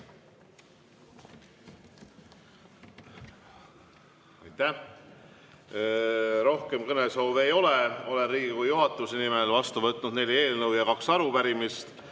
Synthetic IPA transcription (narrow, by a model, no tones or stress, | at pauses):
ɑjt̪ːæh | ɾo̞hke̞mkɤneshɑwve̞jo̞leo̞lenriːɡikujuɦɑt̪ːˑusenimelvɑst̪uvɤt̪ːˑnud̪̥ne̞lʲie̞ːlnɤwjɑkɑksɑɾupæɾimist̪